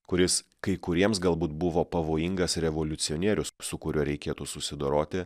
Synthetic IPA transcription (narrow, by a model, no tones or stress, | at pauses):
kʊɾʲɪskɐɪkʊɾʲiɛmsɡɐlˠbuːt̪̚bʊʋoːpɐʋoːjɪŋɡɐsɾʲɛʋolʲʊt̪sʲɪonʲiːɾʲʊssʊkʊɾʲuɔɾʲɛɪkʲeːt̪usʊsʲɪd̪oːɾoːt̪ʲɪ